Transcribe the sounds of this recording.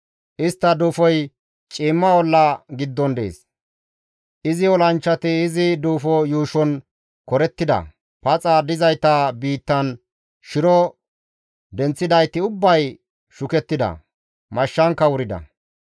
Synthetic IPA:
ʔɪst̪ːɐd̪uːfɔj | t͡ʃʼiːmːɐwɔlːɐɡɪd̪ːɔnd̪e̞̰ːs | ʔɪzɪɔlɐnt͡ʃːɐt̪ɪːzɪd̪uːfɔjuːʃɔn | kɔɾɛt̪ːɪd̪ɐ̰ | pɐt͡sʼɐd̪ɪzɐjt̪ɐbiːt̪ːɐn | ʃɪɾɔ | d̪ɛnt͡sːɪd̪ɐjt̪ːɪʊbːɐj | ʃʊkɛt̪ːɪd̪ɐ̰ | mɐʃːɐŋkːɐwʊɾɪd̪ɐ̰

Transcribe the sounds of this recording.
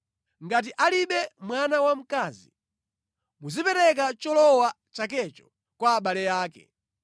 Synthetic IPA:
ŋɡat̬iʔaliɓɛmwanawam̩kazi | muzipɛɾɛk̬at͡ʃɔlɔwa | t͡ʃak̬ɛt͡ʃɔ̥ | kwaːɓalɛjaːkɛ̰

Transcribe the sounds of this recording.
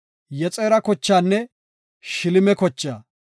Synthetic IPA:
jɛt͡sʼeːɾɐkɔt͡ʃːaːnːɛ | ʃɪlɪmɛkɔt͡ʃːaː

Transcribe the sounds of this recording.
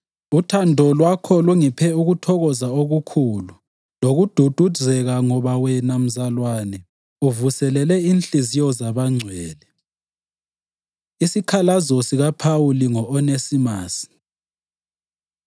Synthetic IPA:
utʰandʱɔlwakʰɔluŋipʰɛuɣutʰɔɣɔzaoɣukʰulu | loɣud̥ʱud̥ʱuzʱɛɣaŋɔβawɛnam̩zalwaːnɛ | uvusɛlɛlɛinɬʼizijɔzaβaŋ͡ǀʱwɛːlɛ | isikʰalazɔsiɣapʰauliŋɔʔɔnesimaːsi̥

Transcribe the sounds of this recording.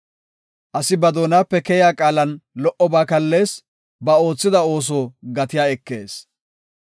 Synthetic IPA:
ʔɐsɪbɐd̪o̞ːnaːpːɛkɛjaːkʼaːlɐnlɔʔɔbaːkɐlːe̞ːs | bɐo̞ːt͡sːɪd̪ɐo̞ːs̬oːɡɐt̪ɪjaːɛkːe̞ːs

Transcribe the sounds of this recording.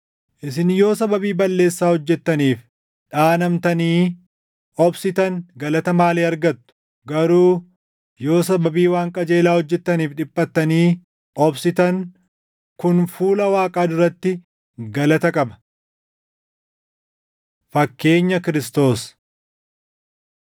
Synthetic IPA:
ʔɪs̬ɪnjo̞ːsɐbɐbiːbɐlːe̞ːsːaːhɔd͡ʒːɛt̪ːɐniːf | ᶑaːnɐmt̪ɐniː | ɔbsɪt̪ɐŋɡɐlɐt̪ɐmaːleːɐɾɡɐt̪ːʊ̥ | ɡɐɾuː | jo̞ːsɐbɐbiːwaːŋkʼɐd͡ʒe̞ːlaːhɔd͡ʒːɛt̪ːɐniːfᶑɪpʼːɐt̪ːɐniː | ɔbsɪt̪ɐŋ | kʊnfuːlɐwaːkʼaːd̪ʊɾːɐt̪ːɪ | ɡɐlɐt̪ɐkʼɐbɐ̥ | fɐkːe̞ːɲːɐkɪɾɪst̪o̞ːs

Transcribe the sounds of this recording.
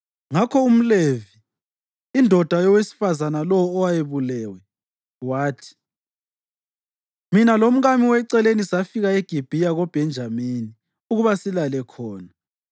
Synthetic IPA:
ŋakʰɔum̩leviː | ndʱɔd̥ʱajɔwesi̥fazanalɔwːwajeβulɛːwɛ | waːtʰi̥ | minalom̩ɣamiwɛǀɛlenisafiɣaeɡ̥ʱib̥ʱijaɣɔb̥ʱɛnd͡ʒʱamini | uɣuβasilalɛkʰɔːna

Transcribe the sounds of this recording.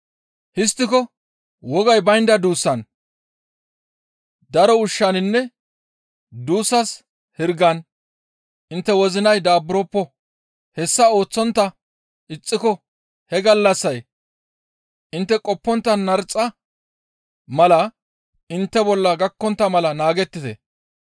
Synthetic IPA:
hɪst̪ːɪkɔ | wɔɡɐjbɐjnd̪ɐd̪uːsːɐn | d̪ɐɾɔʊʃːɐnɪnːɛ | d̪uːsːɐs | hɪɾɡɐn | ʔɪnt̪ːɛwɔzɪnɐjd̪aːbʊɾɔːpːɔ | hɛsːɐo̞ːt͡sːɔnt̪ːɐ | ɪt͡sʼːɪkɔ | hɛɡɐlːɐsːɐj | ʔɪnt̪ːɛkʼɔpːɔnt̪ːɐnɐɾt͡sʼːɐ | mɐlɐ | ɪnt̪ːɛbɔlːɐɡɐkːɔnt̪ːɐmɐlɐnaːɡɛt̪ːɪt̪ɛ̰

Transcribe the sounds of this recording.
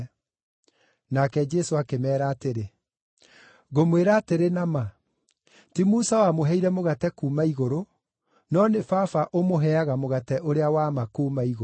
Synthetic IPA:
nakɛd͡ʒɛsoakemɛːɾaːteɾe | ɣomweɾaːteɾenama | timusawamoɦɛiɾɛmoɣatɛkuːmaiɣoɾo | nɔnefafaʔomoɦɛaɣamoɣatɛʔoɾeawamakuːmaiɣo

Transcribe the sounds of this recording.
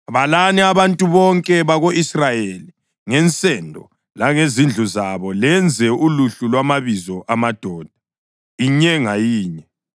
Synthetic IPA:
aβalanɛaβantʼuβɔŋkʼɛβaɣoʔisrajeli | ŋɛnt͡sʼɛndʱɔ | laŋezind͡ɮʱuzaβɔlɛnd͡zʱɛuluɬulwamaβizɔʔamad̥ʱɔːd̥ʱa | iɲɛŋajiːɲɛ

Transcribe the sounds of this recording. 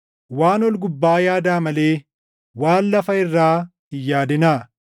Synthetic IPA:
waːnɔlɡʊbːaːjaːd̪aːmɐleː | waːnːɐfɐɪrːaːhɪjːaːd̪ɪnaː

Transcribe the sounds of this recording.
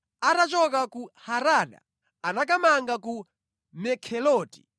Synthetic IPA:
atat͡ʃɔkakuhaɾaːɗa̰ | anak̬amaŋɡaku | mɛkʰɛlɔːti̥̰

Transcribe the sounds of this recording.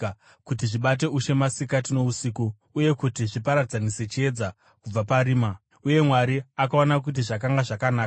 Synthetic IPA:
kutiʐiɓat̬e̞uʃe̞masikat̬ino̞usiku | uje̞kutiʐipaɾad͡zaniset͡ʃie̞d͡za | kub͡vapaɾiːma | uje̞mwaɾiakao̞nak̬ut̬iʐak̬aŋɡaʐakanaːa

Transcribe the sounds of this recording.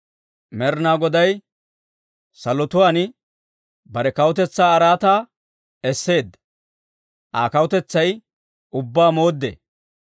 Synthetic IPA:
mɛɾnaːɡɔd̪ɐj | sɐlɔt̪ʊwaːnɪ | bɐɾɛkɐwʊt̪ɛt͡sːaːɾaːt̪aː | ɛsːe̞ːd̪ | ʔa̰ːkɐwʊt̪ɛt͡sːɐj | ʊbːaːmo̞ːd̪ːḛ

